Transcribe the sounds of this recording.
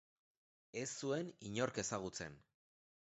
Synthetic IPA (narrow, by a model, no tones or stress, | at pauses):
e̞sːue̞niɲo̞ɾke̞saɣ̞ut͡se̞n